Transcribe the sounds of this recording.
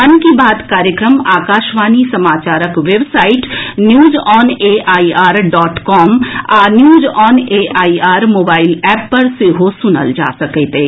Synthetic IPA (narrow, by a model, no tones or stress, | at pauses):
ɐnkibaːd̪kaːɾjəkɾəmaːkaːʃʋaːnisɐmaːt͡ʃaːɾəkʋeːbsaːɪʈnjuːzɔːneːʔaːiaːɾɖɔːʈkɔːmaːnjuːzɔːneːʔaːiaːɾmoːbaːɪlɛːpːɐɾseɦosʊnə̰ld͡ʒa̰ːsɐket̪eː